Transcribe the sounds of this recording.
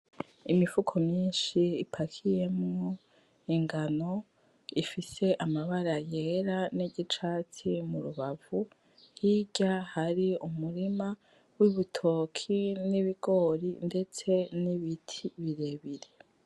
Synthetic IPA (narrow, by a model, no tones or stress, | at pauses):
imifukʰo̞mɲiːnʃiːpʰakʰije̞mŋo | iŋɡano̞ | ifise̞ʔamaβaɾaje̞ɾaniɟit͡ʃat͡simuɾuβavu | hiɟahaɾiumuɾima | wiβutʰo̞kʰiniβiɡ̥o̞ːɾinde̞t͡se̞niβitʰiβiɾe̞βiɾe